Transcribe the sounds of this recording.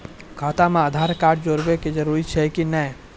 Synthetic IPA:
kʰaːt̪amãəd̪ʱaːɾkaːɾʈd͡ʒoːɾbeked͡ʒɐɾuːɾit͡ʃʰɛkinɛ

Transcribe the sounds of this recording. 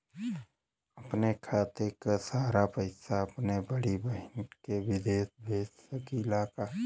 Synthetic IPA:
əpnekʰaːt̪ekasaːɾapəɪsaɐpnebəɽibəɦɪnʈkeʋɪd̪eːsbʱeːssəkilaːka

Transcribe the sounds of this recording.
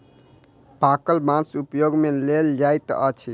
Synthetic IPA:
pakəlmãnsupjoɡmeleld͡ʒajt̪ə̰t͡ʃʰ

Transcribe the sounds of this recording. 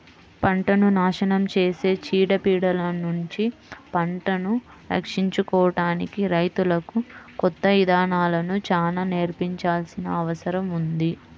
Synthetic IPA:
pɐɳʈɐnunaːʃɐnɐmt͡ʃe̞ːse̞ːt͡ʃiːɽɐpiːɽɐlɐnuɲt͡ʃipɐɳʈɐnu | ɾɐ̰kʂiɲt͡ʃukɔːʋɐʈaːnikiɾɐjt̪ulɐkukɔt̪ːɐʋid̪ʱaːnaːlɐnut͡ʃaːnaːne̞ːɾpiɲt͡ʃaːlsinɐːʋɐsɐɾɐmund̪i

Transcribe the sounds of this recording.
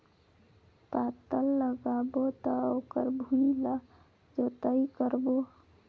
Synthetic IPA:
pat̪əlːəɡabot̪əokəɾbʱuilə | d͡ʒot̪əikəɾbo

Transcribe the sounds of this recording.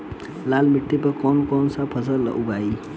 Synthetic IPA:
lalmiʈːepʌkɔnkɔnsapʰʌsəla̰ʔubaj

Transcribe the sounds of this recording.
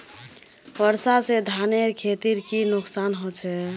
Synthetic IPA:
bəɾsased̪ʱaneɾkʰet̪iɾkinʊksanɦot͡ʃʰɛ

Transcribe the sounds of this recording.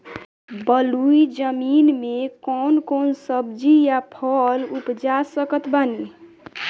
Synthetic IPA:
bəluid͡ʒəminmekɔnkonsəbd͡ʒijapʰɔlupd͡ʒasəkət̪ʰbani

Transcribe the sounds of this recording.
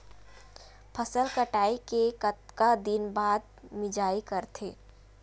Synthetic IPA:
pʰəsəlkəʈaːikekkad̪ɪnbaːd̪̚mɪd͡ʒaːikɐɾt̪ʰeː

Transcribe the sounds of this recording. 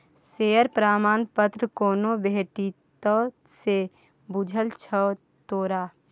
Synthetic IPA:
seːəɾpɾaːmaːnpət̪ɾəkoːnobeɦʈit̪ə | se | bud͡ʒʱəlt͡ʃʰə | t̪oːɾaː

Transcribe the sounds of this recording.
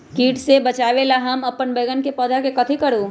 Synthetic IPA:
kiːʈʰsebɐt͡ʃaːʋelaɦɐmɐpənbeːɡənkepɔːd̪ʱakekɐt̪ʰikəɾoː

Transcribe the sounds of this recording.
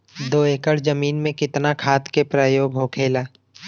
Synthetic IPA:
d̪oːeːkəɽd͡ʒəmiːnmẽkɪt̪nakʰaːt̪kepɾaːjoːɡɦokʰeːlaː

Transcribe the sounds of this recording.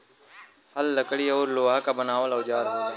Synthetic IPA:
hɐlːəkɽiɔːɾloːɦakabənaːʋəlɔːd͡ʒaːɾɦoːaː

